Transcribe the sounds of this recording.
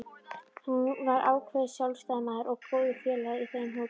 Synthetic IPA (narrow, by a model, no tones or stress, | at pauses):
hunvaɾʔa̰ːwkʰvɛðsjawlst̪aːjmaðɾʔɔɣkɾoːwðʏfjɛːlaðiθejmɦoː